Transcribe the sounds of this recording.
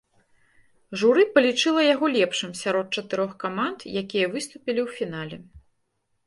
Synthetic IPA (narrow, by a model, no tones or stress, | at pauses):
ʐuɾɨpɐlʲit͡ʂɨlˠɐjaɣɔlʲɛpʂɨmsʲaɾɔt̪̚t͡ʂɐt̪ɨɾɔxkamant̪jakʲijɐvɨst̪upʲilʲiwfʲin̪alʲɛ